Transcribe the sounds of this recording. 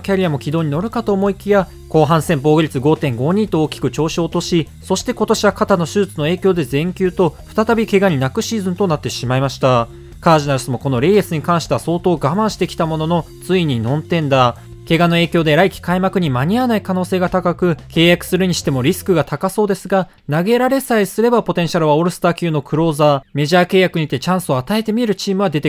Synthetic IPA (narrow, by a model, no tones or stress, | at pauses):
kʲaɾʲiamo̞kʲid̪o̞ːɲ̟ino̞ɾɯ̟kat̪o̞ːmo̞ikʲija | ko̞ːɦãɰ̃sẽ̞mbo̞ːɡɯ̟ɾʲit͡sɨɡo̞ːt̪ẽ̞ŋɡo̞ːɲ̟ĩːt̪o̞ːkʲi̥kɯ̟t͡ɕo̞ːɕo̞ːt̪o̞ɕi | so̞ɕi̥t̪e̞ko̞t̪o̞ɕiβakat̪ano̞ɕɨt͡sɨno̞e̞ːkʲo̞ːd̪e̞zẽ̞ŋkʲɨːt̪o̞ɸɯ̥t̪at̪abʲike̞ɡaɲ̟inakɯ̟ɕiːzɨ̃nt̪o̞nat̪ːe̞ɕimaimaɕi̥t̪a | kaːʑinaɾɯ̟sɨmo̞ko̞no̞ɾe̞ːesɨɲ̟ikãɰ̃ɕi̥t̪eβaso̞ːt̪o̞ːɡamãɰ̃ɕi̥t̪e̞kʲi̥t̪amo̞no̞no̞ | t͡sɨiɲ̟inõ̞nt̪ẽ̞nd̪a | ke̞ɡano̞e̞ːkʲo̞ːd̪eɾaikʲi̥kaimakɯ̟ɲ̟imaɲ̟ianaikano̞ːse̞ːɡat̪akakɯ̟ke̞ːjakɯ̟̥sɨɾɯ̟ɲ̟iɕi̥t̪e̞mo̞ɾʲisɨ̥kɯ̟ɡat̪akaso̞ːd̪e̞sɨɡa | naɡe̞ɾaɾe̞saisɨɾe̞bapo̞t̪ẽɕaɾɯ̟βaoɾɯ̟sɨ̥t̪akʲɯno̞kʰɯ̟ɾo̞ːzaːme̞ʑaːke̞ːjakɯ̟ɲ̟it̪e̞t͡ɕãɰ̃sɨo̞at̪ae̞t̪e̞mʲieɾɯ̟t͡ɕiːmɯ̟β̞ad̪e̞t̪e